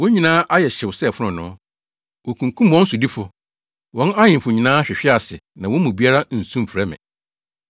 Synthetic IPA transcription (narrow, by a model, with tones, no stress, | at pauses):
wɔ̃˦ɲĩ˨nãː˦ʔa˦jɛ˨ɕɪ˨wsɛ˦˨fʊ˦ʊ̃˨nʊ̃˦ | wo˨kʰũ˨ŋkʰũ˦mwɔ̃˦n̩˦su˨di˦fʊ˨ | wɔ̃˦na˦ɲɪ̃˨m˨fʊ˨ɲĩ˨nãː˦ɕᶣɪ˨ɕᶣɪ˦a˨sɪ˨nã˨wɔ̃˦mũ˨bi˦a˦ɾa˦n̩˨sũ˦m̩˨fɾɛ˦mɪ̰̃˨